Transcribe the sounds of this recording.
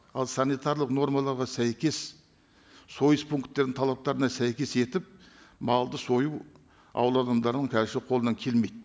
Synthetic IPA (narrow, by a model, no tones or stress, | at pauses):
ɑlˠsanijt̪ɑɾlˠəqno̞ɾmɑlˠɑɾʁɑsæjkʲe̞s | so̞jəspʰuŋkt̪ːe̞ɾd̪ɪŋt̪ʰɑlˠɑp̚t̪ɑɾənɑsæjkʲe̞se̞t̪ɪp̚ | mɑlˠd̪əso̞juw | ɑ̰wəlˠɑd̪ɑmd̪ɑɾnəɴkʲʰæzʃɪqʰolˠənɑŋkʲʰe̞lme̞jd̪